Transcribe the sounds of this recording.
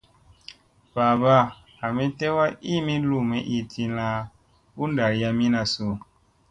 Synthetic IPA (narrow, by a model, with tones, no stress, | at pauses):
baː˨ba˦˨ | a˨mi˦tɛ˦wa˦i˦mi˦lu˦˨mɛ˦ʔi˦˨tʰi˧la˦ | u˦n˦da˨ɾja˧mi˦na˨so˨